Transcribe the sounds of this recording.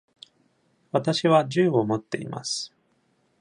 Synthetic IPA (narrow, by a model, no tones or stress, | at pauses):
βat̪aɕiβaʑɨːo̞mo̞t̪ːe̞̰ḭma̰sɨ̥